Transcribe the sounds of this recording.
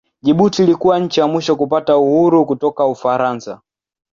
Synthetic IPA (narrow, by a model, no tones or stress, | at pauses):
ʄiɓutilikuwaɲ̩t͡ʃijamwiʃɔkupatauhuɾukutɔkaufaɾansa